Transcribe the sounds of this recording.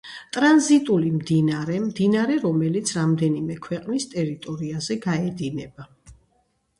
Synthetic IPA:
t̪ʼɾanzit̪ʼulimd̪inaɾɛmd̪inaɾɛɾɔmɛlit̪sʰɾamd̪ɛnimɛkʰwɛqʼnist̪ʼɛɾit̪ʼɔɾiazɛɡaɛd̪inɛba

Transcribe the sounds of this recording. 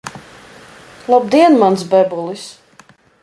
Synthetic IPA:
lˠab̚d̪iɛnmansbɛbulˠis

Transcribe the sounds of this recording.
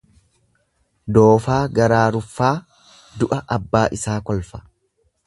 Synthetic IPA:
d̪o̞ːfaːɡɐɾaːɾʊfːaː | d̪ʊʔɐʔɐbːaːʔɪsaːkɔlfɐ̥

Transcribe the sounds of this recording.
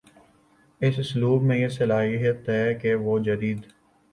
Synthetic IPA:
ɪsʊsluːbmẽjesɐlaːɦijət̪ɦɛːkeʋod͡ʒəd̪iːd̪

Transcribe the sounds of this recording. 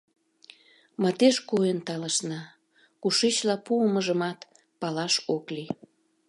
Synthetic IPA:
mɑt̪eʃkoent̪ɑləʃnɑ | kuʃet͡ɕlɑpuəməʒəmɑt̪ | pɑlɑʃokli

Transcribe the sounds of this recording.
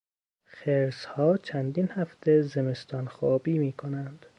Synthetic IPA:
xeɾshɒːt͡ʃʰænd̪inhæft̪ʰezeme̞st̪ʰɒnxɒːbiːmiːkʰonænd̪̥

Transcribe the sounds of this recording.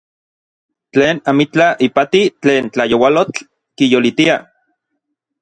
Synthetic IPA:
t͡ɬeːnamit͡ɬaʔipat̪it͡ɬeːnt͡ɬajowalot͡ɬ | kijolit̪ia

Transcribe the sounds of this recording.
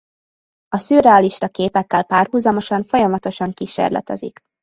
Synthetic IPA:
ɒsyːrɛɒliʃt̪ɒkeːpɛkːɛlpaːrɦuːzɒmo̞ʃɒɱfo̞jɒmɒt̪o̞ʃɒŋkiʃḛrlɛ̰t̪ɛ̰zḭk

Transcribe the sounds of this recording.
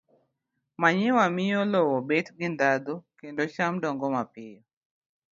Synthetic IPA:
maɲɪwamɪjɔlɔwɔbetɡɪnd̪ad̪okendoʃamdɔŋɡɔmapɪjɔ

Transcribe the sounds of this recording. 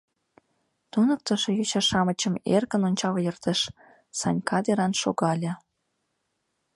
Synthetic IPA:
t̪unə̆k̚t̪ə̆ʃĕjot͡ɕɑʃɑmə̆t͡ɕə̆mḛrkə̆nonʲt͡ɕɑljɤ̆rt̪eʃ | sɑ̰nʲkʰɑd̪eɾɑnʃo̰ɣɑlʲɤ̆

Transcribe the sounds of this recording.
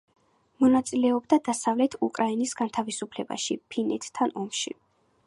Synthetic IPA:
mɔnat̪sʼilɛɔbd̪ad̪̥asavlɛt̪ʰukʼɾʔainisɡant̪ʰavisupʰlɛba̰ʃḭpʰinɛt̪ʰːanɔmʃḭ

